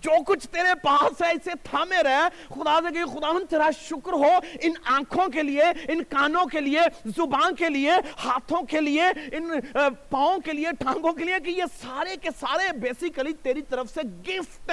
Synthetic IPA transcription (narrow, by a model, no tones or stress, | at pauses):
d͡ʒoːkʊt͡ʃʰt̪eːɾepaːsɦɛɪset̪ʰaːmẽɾɛɦe | xʊd̪asekɐixʊd̪aːʋənd̪̚t̪eːɾaʃʊkɾɦoːɪnãːkʰõkelieɪnkaːnõkeliezʊbãːnkeliehaːt̪ʰõkelieɪnpãːõkelieʈʰãːɡõk̬eliekijesaːɾekesaːɾebeːsɪkəlit̪eːɾit̪ɐɾəfseɡɪft̪ɛ